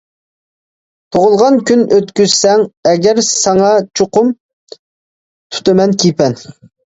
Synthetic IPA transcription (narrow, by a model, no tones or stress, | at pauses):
t̪ʰoʁʊlˠʁɑnkʲynøt̪kʲyz̥sɛŋɛɡʲɛɾsɑŋɑt͡ʃʰoqʊm | t̪ʰu̥t̪ɨmɛnkʲʰipɛn